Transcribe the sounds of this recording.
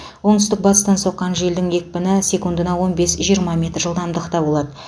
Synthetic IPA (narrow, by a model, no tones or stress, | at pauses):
wo̞ɴt̪ʏst̪ɪk̚bɑt̪ə̥st̪ɑnso̞qːɑnʒe̞ld̪ɪŋje̞k̚ʲpɪnɪse̞kund̪ənɑwo̞nbe̞sʒijəɾmɑmʲe̞t̪rʒəlˠd̪ɑmd̪əqt̪ɑbolˠɑd̪ə